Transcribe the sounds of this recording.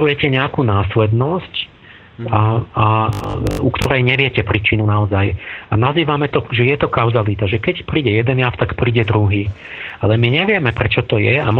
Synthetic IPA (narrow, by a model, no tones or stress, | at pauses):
ɾujɛcɛɲɛakunaːslɛd̪nɔsc | aa | ukt̪ɔɾɛjɲɛʋɪɛcɛpɾiːt͡ʃinunaɔzaja̰naziːʋamɛt̪ɔʒɛjɛt̪ɔkaʊzalit̪aʒɛkɛcpɾiːɟɛjɛd̪ɛnjaft̪akpɾiːɟɛd̪ɾuɦiː | alɛmiɲɛʋɪɛmɛpɾɛt͡ʃɔt̪ɔjɛam